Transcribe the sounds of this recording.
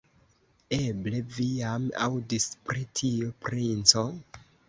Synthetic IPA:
eble̞vijama̰wdispɾitʰiopɾint͡so

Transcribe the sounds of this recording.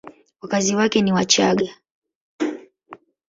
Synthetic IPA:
wakaziwakɛniwat͡ʃaɠa

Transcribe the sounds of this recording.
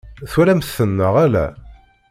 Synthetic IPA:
θwæɾæməθənːəʁælæ̰

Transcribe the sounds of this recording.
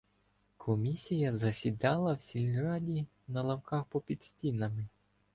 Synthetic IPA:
kʰɔmʲisʲijɐzɐsʲid̪ɑlˠɐwsʲilʲɾɑdʲi | nɐlˠɐmkɑxpɔpʲid̪̥sʲtʲinɐmɪ

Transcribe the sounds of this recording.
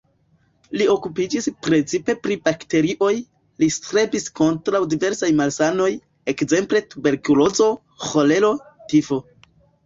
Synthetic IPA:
lio̞kupid͡ʒispɾe̞t͡sipe̞pɾib̥akte̞ɾiʔo̞j | listɾe̞bisko̞ntɾawdive̞ɾsajmalsano̞j | e̞kze̞mple̞tube̞ɾkulo̞zo̞ | xo̞le̞lo̞tifo̞

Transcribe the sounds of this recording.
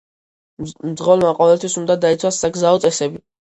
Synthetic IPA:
md̪zʁɔlmaqʼɔvɛlt̪ʰwisund̪ad̪ait̪sʰwasːaɡzaɔt̪sʼɛsɛbi

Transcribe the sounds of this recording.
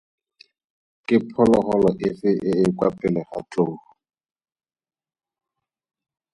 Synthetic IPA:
kʼɪpʰɔlɔχɔlɔʔɪsɪʔɪɪkwapʼɛlɛχa̰t͡ɬʼoːhʊ

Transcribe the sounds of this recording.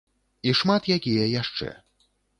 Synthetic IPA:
iʂmat̪jakʲijɐjaʂt͡ʂɛ̰

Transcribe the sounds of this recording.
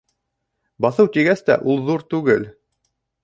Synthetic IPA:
bɑθɤwt̪iɡæst̪æ̰ʔulˠðuɾt̪ʉɡɘl

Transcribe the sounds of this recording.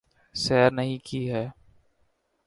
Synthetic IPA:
sɛːɾnɐɦĩkʰiɦɛː

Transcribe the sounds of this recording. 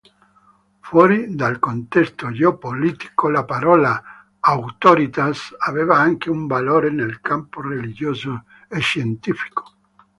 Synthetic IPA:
fwɔɾid̪alkont̪ɛst̪od͡ʒeopolit̪i̥kolapaɾɔlaː | wt̪oɾit̪asavevaaŋkeuɱbaloːɾenelkamporelid͡ʒjoːzo | eʃjent̪ifi̥ko̥

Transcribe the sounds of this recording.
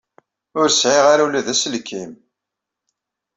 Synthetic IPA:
ʊɾsʕeʁaɾalæðæslkːim

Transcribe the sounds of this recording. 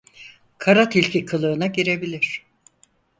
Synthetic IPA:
kʰaɾat̪ʰilʲcʰikʰɯlˠɯːnaɟiɾe̞bilʲiɾ̥

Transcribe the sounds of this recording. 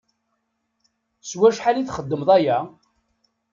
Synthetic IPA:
swæʃħaliθχəd̪ːəmðˤæjæ

